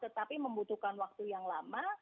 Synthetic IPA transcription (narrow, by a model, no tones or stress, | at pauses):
t̪ət̪apiməmbut̪ukanwak̚t̪ujaŋlama